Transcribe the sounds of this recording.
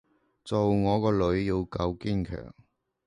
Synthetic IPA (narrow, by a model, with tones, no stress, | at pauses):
t͡so˨wŋɔː˨˧kɔː˧lɵ˨˥ɥjiː˧wkɐ˧wkiː˥˩nkʰœ̰ː˨˩ŋ